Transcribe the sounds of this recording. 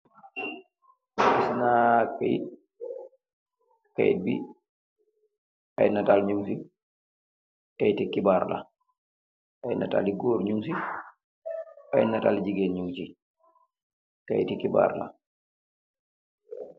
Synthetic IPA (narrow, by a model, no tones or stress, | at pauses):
isnakaj | ka̰j̰t̚bḭ | ajnatalɲuŋsi | kajtikibaːɾla̰ | ʔajna̰ta̰liɡoːɾɲumsi | ajnatald͡ʒiɡenɲuŋt͡ʃi | ka̰jtikiba̰ːɾla̰